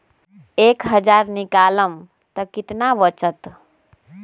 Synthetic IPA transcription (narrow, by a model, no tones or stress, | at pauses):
eːkɦəd͡ʒaɾnikaːləm | t̪əkɪt̪naʋət͡ʃət̪